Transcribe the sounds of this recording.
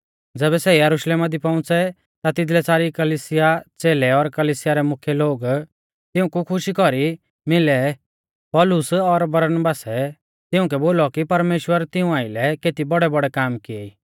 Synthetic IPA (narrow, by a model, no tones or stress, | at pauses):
d͡zɛːβɛsɛjɐɾʊʃleːmad̪ipɐ̃ʊ̃t͡sɛ | t̪at̪ɪd̪lɛsaːɾikɐliːsɪjat͡seːlɛɔɾkɐliːsɪjaɾɛmʊkʰjɛloːɡ | t̪ɪʊ̃kukʰʊʃikɔɾi | mɪlɛ | pɔlʊsɔɾbɐɾnbaːsɛ | t̪ɪʊ̃k̬ɛboːlɔkipɐɾmeːʃwəɾt̪ɪũaːɪlɛkeːt̪ibɔɽɛbɔɽɛkaːmkɪɛiː